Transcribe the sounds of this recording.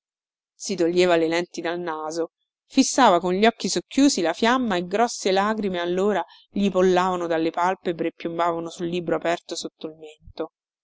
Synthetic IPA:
sit̪oʎːeːvalelɛnt̪id̪alnaːzo | fisːaːvakonʎɔkːisokːjuːsilafjamːaeɡɾɔsːelaːɡɾimealːoːɾa | ʎipolːaːvanod̪alːepalpebɾepːjumbaːvanosulːiːbɾoapɛrt̪osot̪ːoilment̪o

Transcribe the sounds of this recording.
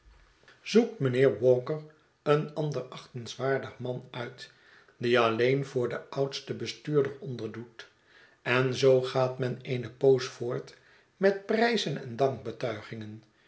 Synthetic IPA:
zuk̚tmənɪːɹʋɔːkər | ənɑndərɑχtənsʋaːɹdəχmɑnœɥt | diɑlejnvʊːɹdəɑwtstəbəstyːɹdəɹɔndəɹdut | ɛnzowχaːtmɛnejnəpowsfʊːɹt | mɛt̚prɛjzənɛ̰ndɑŋk̚bətœɥχɪŋən

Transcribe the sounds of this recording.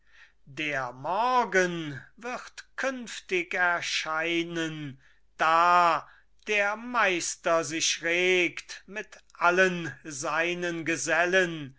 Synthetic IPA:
deːɐmɔɐɡənvɪʁtkʰʏnftɪkɛɐʃaɪnən | d̥aː | d̥eːɐmaɪstɐzɪɕʁeːktmɪtʔalənzaɪnənɡəzɛlən

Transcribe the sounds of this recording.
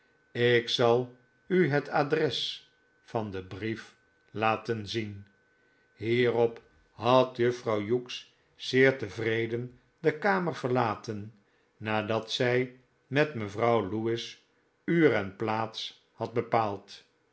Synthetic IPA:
ɪksɑlˠ | yɦətadrɛs | fɑndəbrif | laːtənzin | ɦiːrɔp | ɦɑtjəfrɑwjuks | sɪːɹtəvrejdən | dəkaːməɹv̥əɹlaːtənː | aːdɑtsɛj | mɛtməvrɑwluɪs | yːrɛnplaːts | hɑd̚bəpaːlˠt

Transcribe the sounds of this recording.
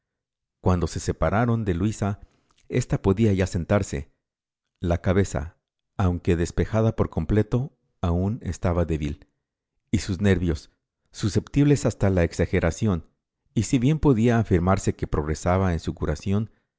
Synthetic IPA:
kwand̪o̞se̞se̞paɾaɾo̞nd̪e̞lwisa | e̞st̪apo̞ðiaʝase̞nt̪aɾse̞̰ | lakaβe̞sa̰ː | wŋke̞ðe̞spe̞xaðapo̞ɾko̞mple̞t̪o̞ | aune̞̰st̪aβaðe̞βil | isuzne̞ɾβjo̞sː | use̞pt̪iβle̞sast̪alaeksaxe̞ɾʔasjo̞n | isiβje̞mpo̞ðiaːfiɾmaɾse̞ke̞pɾo̞ɣɾe̞saβaensukuɾʔasjo̞n

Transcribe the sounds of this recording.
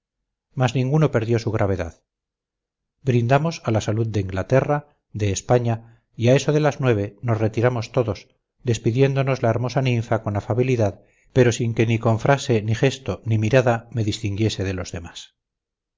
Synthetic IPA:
maznĩŋɡuno̞pe̞ɾðjo̞suɣ̞ɾʔaβ̞e̞ða̰ð | bɾind̪amo̞salasaluðd̪e̞iŋɡlat̪e̞ra | ðe̞ːspaɲa | iae̞so̞ðe̞laznwe̞β̞eno̞sre̞t̪iɾamo̞st̪o̞ðo̞s | ðe̞spiðje̞nd̪o̞no̞zlaeɾmo̞sanĩɱfako̞nafaβiliðað | pe̞ɾo̞siŋke̞niko̞ɱfɾʔase̞niχe̞st̪o̞nimiɾaðame̞ðist̪iŋɡje̞se̞ðe̞lo̞zðe̞mas

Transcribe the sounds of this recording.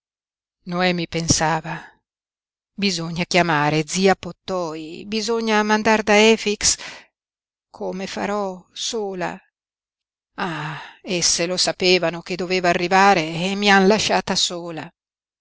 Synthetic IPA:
noɛmipensaːva | bizoɲːakjamaːɾed̪ziːapot̪ːɔibizoɲːamand̪ard̪aɛːfiks | kʰomefa̰ɾɔsoːla̰ | aesːelosapeːvanok̟ed̪ːoveːvaːrːivaːɾeːmːianlaʃːaːt̪asoːla

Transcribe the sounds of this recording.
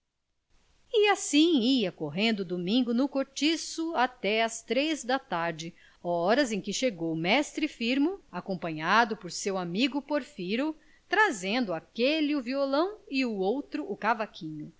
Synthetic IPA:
ɪasĩiɐkoɦẽnd̪ʊd̪omĩŋɡʊnʊkoɾt͡ʃisʊat̪ɛɐst̪ɾejzd̪ɐt̪aɾd͡ʒɪ | ɔɾɐzẽj̃kɪʃeɡowmɛst̪ɾɪfiɾmʊakõmpɐ̃ɲad̪ʊpoɾsewamiɡʊpoɾfiɾʊ | t̪ɾazẽnd̪ʊakelɪuviolɐ̃w̃ɪuowt̪ɾʊʔːkavakʰĩɲʊ

